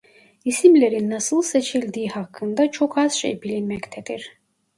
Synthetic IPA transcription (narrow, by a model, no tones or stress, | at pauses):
isimleɾinːɑsɯlˠset͡ʃʰilʲd̪iːhɑkʰːɯnd̪at͡ʃʰo̞kʰaz̥ʃḛjbilinmɛct̪ʰɛd̪̥iɾ̥